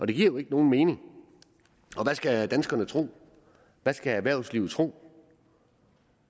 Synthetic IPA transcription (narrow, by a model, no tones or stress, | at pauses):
ʔɒ̽d̥e̝ɡiɐ̰joe̝ɡ̥əno̝ːn̩me̝ːne̝ŋ | ɒ̽ʋæsɡ̥æd̥ænsɡ̥ɐnət͡sʰʁo̝̰ː | ʋæsɡ̥ææʋæɐ̰sliːʊð̩ˠt͡sʰʁo̝̰ː